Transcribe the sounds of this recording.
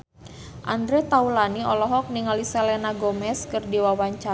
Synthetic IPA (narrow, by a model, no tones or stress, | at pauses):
ʔand̪ɾɛt̪aulaniɔlɔɦɔk̚niŋalisɛlɛnaɡomɛskɨrdiwawaɲt͡ʃa